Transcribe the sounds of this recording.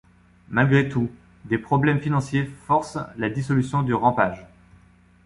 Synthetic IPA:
malɡʁet̪u | d̪epχɔblɛmfinɑ̃sjefɔʁslad̪isɔlysjɔ̃d̪yʁɑ̃paʒ

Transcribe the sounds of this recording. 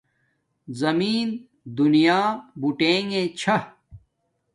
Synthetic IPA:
zɐmiːn | d̪unijaːbuʈeːŋẽt͡ɕʰɐ

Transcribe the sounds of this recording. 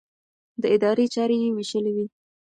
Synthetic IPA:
d̪əɪd̪ɑɾet͡ʃɑɾejewiʃəlewi

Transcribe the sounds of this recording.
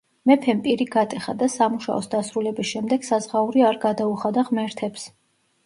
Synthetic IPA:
mɛpʰɛmpʼiɾiɡat̪ʼɛχa̰d̪asamuʃa̰ɔsd̪asɾulɛbisʃɛmd̪ɛɡ̥sazʁauɾiaɾɡad̪auχad̪aʁmɛɾt̪ʰɛps

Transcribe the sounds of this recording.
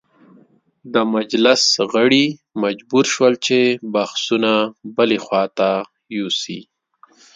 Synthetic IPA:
d̪əmad͡ʒlɪsɣəɽimad͡ʒbuɾʃwəlt͡ʃebaxsunabəlexwɑt̪a | jusḭ

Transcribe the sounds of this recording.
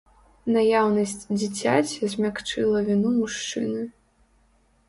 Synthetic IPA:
najawnɐsʲt͡sʲd͡zʲit͡sʲat͡sʲizʲmʲakt͡ʂɨlˠɐvʲinumuʂt͡ʂɨnɨ

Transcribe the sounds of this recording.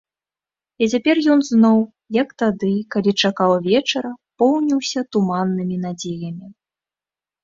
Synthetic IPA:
it͡sʲapʲɛrjɔnznɔw | jɐkt̪ad̪ɨkalʲit͡ʂakawvʲɛt͡ʂɐɾɐpɔwnʲiwsʲɐt̪umanːɨmʲin̪ad͡zʲejɐmʲi

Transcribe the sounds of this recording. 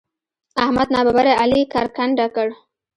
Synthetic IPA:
ahmad̪nɑbabaɾaalikɑɾkaɳɖakəɽ

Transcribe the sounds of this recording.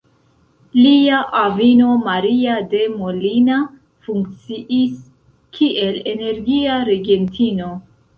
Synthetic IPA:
liaʔavino̞maɾiade̞molina | fuŋk̚t͡siʔis | kʰiʔe̞le̞ne̞ɾɡiaɾe̞ɡe̞ntino̞

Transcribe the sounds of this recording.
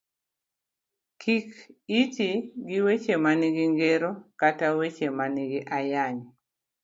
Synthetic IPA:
kʰikit͡ʃiɡiwet͡ʃemaniɡiŋɡeɾokatawet͡ʃemaniɡiʔajaɲ

